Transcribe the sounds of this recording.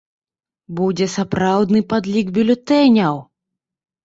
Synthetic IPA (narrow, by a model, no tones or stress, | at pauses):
bud͡zʲɛsapɾawd̪nɨpad̪lʲiɡbʲylʲut̪ɛnʲɐw